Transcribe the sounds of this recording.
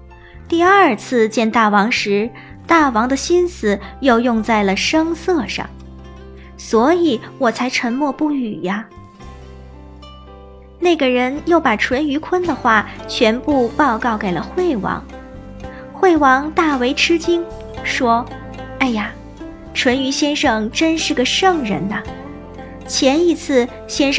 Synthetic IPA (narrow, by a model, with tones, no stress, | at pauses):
t̪i˥˧ɐ˞˥˧t͡sʰɹ̩˥˧t͡ɕjɛ˥˧nt̪a˥˩wɑ˧˥ŋʂɻ̩˧˥ | t̪a˥˩wɑ˧˥ŋd̪ə˧ɕi˥nsɹ̩˨˩jo˥˧ʊjʊ˥˧ŋt͡sa˥˩ɪlə˩ʂɤ˥ŋsɤ˥˧ʂɑ̰˥˩ŋ | swɔ˧˥i˨˩˦wɔ˨˩t͡sʰa˧˥ɪʈ͡ʂʰə˧˥nmwɔ˥˧pu˥˩y˨˩a˧ | na˥˩ɡə˩ɻə˧˥njo˥˩ʊpa˨˩ʈ͡ʂʰwə˧˥ny˧˥kʰwə˥nd̪ə˨xwa˥˩t͡ɕʰɥɛ˧˥npu˥˧pɑ˥˧ʊkɑ˥˩ʊke˨˩ɪlə˦xwe˥˩ɪwɑ̰˧˥ŋ | xwe˥˩ɪwɑ˧˥ŋt̪a˥˩we˧˥ɪʈ͡ʂʰɻ̩˥t͡ɕi˥ŋ | ʂwɔ˥ | a˥˩ɪja˩ | ʈ͡ʂʰwə˧˥ny˧˥ɕjɛ˥nʂɤ˥˩ŋʈ͡ʂə˥nʂɻ̩˥˩ɡə˩ʂɤ˥˩ŋɻə˧˥nɐ˧ | t͡ɕʰjɛ˧˥ni˧˥t͡sʰɹ̩˥˩ | ɕjɛ˥nʂ